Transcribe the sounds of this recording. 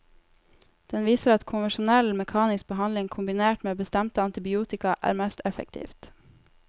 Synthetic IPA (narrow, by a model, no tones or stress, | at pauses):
d̪̥ɛnʋiːsəɾɑt̪kʰʊnʋəʃʊnɛlmɛkʰɑːnɪsk̚bəhɑnlɪŋkʰʊmbɪneːʈmeːbəst̪ɛmt̪əɑnt̪ɪbɪuːt̪ɪkɑʔæ̰ːɾmɛst̪ɛfə̰k̚t̪ʰḭːft̪